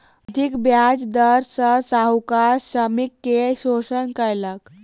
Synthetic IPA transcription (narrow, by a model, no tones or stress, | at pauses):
əd̪ʱikbjad͡zd̪əɾsəsaɦukaɕəmikːeɕosənkəjlək